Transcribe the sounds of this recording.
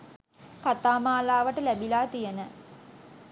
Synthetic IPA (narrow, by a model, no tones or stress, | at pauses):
kat̪aːmaːlaːʋəʈəlæbilaːt̪ijənə